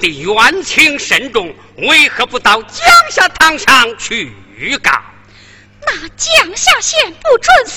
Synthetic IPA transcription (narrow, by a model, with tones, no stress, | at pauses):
t̪i˨˩jwa˧˥nt͡ɕʰi˧˥ŋʂə˧˥nʈ͡ʂʊ˨˩ŋ | we˥˩ɪxɤ˧˥pu˧t̪ɑ˥˩ʊt͡ɕjɑ˥˧ŋɕja˥˧t̪ʰɑ˥˧ŋʂɑ˥˧ŋt͡ɕʰy˥˩ | y˧˥ka̰˨˩n | na˥˩t͡ɕjɑ˥˧ŋɕja˥˧ɕjɛ˥˧npu˥˧ʈ͡ʂwə˥˧ns